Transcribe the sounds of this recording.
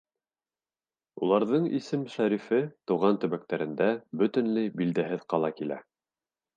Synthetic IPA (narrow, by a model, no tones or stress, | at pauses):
ulˠɑɾðɤɴḭsɘmʃæɾifɘt̪ŭʁɑnt̪ɵ̆βæk̚t̪æɾɘ̆nd̪æbɵ̆t̪ɘ̆nlɘjbild̪æɦɘðqɑlˠɑkilæ̰